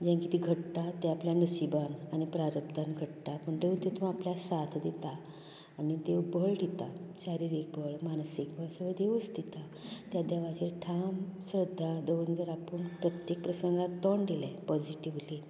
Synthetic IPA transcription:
d͡ʑãŋkit̪iɡʱəʈt̪at̪eapljanusibanañipɾaɾəpd̪anɡʱəʈt̪apəɳd̪eʋut̪et̪ũapljasat̪ʰd̪et̪aː | nit̪ewbʱəɭɖit̪aɕaɾiɾik̚bʱəɭmansikbʱasəʋəd̪eʋəst̪it̪a | t̪jad̪jaʋat͡ɕeʈʰamsɾəd̪ʱːad̪oʋənt̪əɾapəɳpɾət̪jek̚pɾəsəŋɡat̪ːɔɳd̪ilɛ̃pɔd͡ʑiʈiʋli

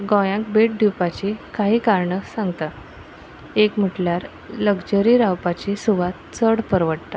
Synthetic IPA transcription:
ɡɔ̃jãk̚beʈ̚d̪ʱipat͡ɕiːkaɦiːkaɾɳəsãŋɡt̪a | ekm̤əʈljaɾ | ləɡd͡ʑəɾiɾawpat͡ɕisuʋat̪̚t͡səɽpəɾʋəʈt̪a

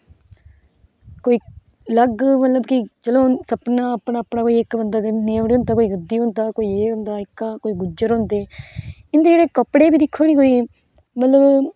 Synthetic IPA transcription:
koːiː | ləɡmət̪ləbkɪt͡ʃəlõːsəpnãːəpɳaːpɳaːkoːiːɪkbənd̪aːkneːʋɽːõnd̪aːkoːiːɡəd̪iːɦõnd̪aːkoːiːeːɦʊ̃nd̪aːɪkːaːkoːiːɡʊd͡ʒəɾɦõnd̪eːɪnd̪eːd͡ʒeːɽeːkəpːɽeːbiːd̪ɪkʰːoːniːkoːiː | mət̪ləb

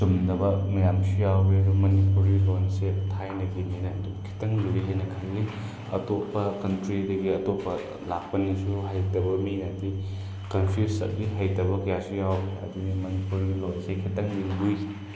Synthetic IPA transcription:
sumdɐbɐmɐjamsujawbeɾumɐnipuɾilonsetʰajnɐɡininajdukʰi̥tɐŋluɾiɦajnɐkʰajɡi | ɐ̰topːɐkɐntɾidɐɡiɐtopːɐ | lak̚pɐnisuɦajtɐbɐminati | kɐnpʰisɐ̰t̚diɦajtɐbɐkɐjasujawbeɐ̰dinimɐnipuɾilonsekʰitɐŋdiŋɡuj

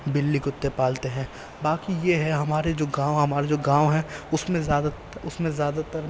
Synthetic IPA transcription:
bɪlːiɡʊt̪ːepaːlt̪eɦɛ̃ː | baːkijeɦɛɦɐmaːɾed͡ʒoːɡãːoɦɐmaːɾed͡ʒoːɡãːwɦɛ̃ʊsmẽzaːd̪a | ʊsmẽzjaːd̪at̪əɾ

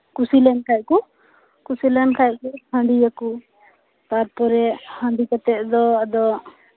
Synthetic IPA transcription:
kusilɛnkʰajʔ̚ku | kusilɛnkʰaj̚kuhə̃ɳɖijaku | t̪aɾpɔɾɛhə̃ɳɖikat̪ɛʔ̚d̪ɔad̪ɔ

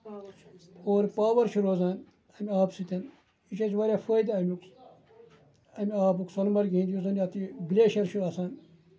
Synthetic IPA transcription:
oːɾpaːʋɐɾʃʰuɾoːzaːn | ɐmiaːbsit̪ɐn | it͡ʃʰɐt͡ʃʋɐːɾʲjaːfəːd̪ɐmuk | ɐmiaːbuksolmɐɾɡĩːnd̪jus̬ɐːnɐːt̪ibileːʃɐɾʃʰuɾaːsaːn

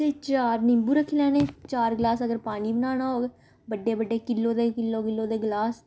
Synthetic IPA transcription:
t̪eːt͡ʃaːɾnɪmbuːɾəkʰːelɛːnẽːt͡ʃaːɾɡlaːsəɡəɾpaːniːbənaːnaːɦoːɡeː | bəɖːeːbəɖːeːkɪlːõːd̪eːkɪlːoːkɪlːõːd̪eːɡlaːs

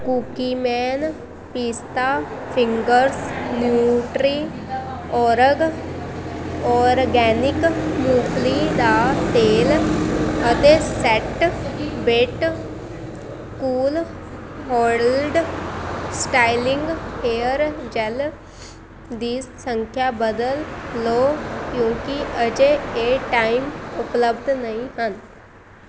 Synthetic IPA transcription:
kuːkiːmɛːn | piːst̪aːpʰɪŋɡəɾsnjuːʈɾiː | ɔːɾəɡ | ɔːɾɡɛːnɪkmuːkʰliːd̪aːt̪eːl | ət̪eːsɛʈbeʈ | kuːl | ɦɔːɽəlɖ | sʈaːɪlɪŋɡeːəɾd͡ʒɛl | d̪isəŋkʰjaːbəd̪əlːoːkjõːkiəd͡ʒeeːʈaːimʊpləbd̪nəĩɦən

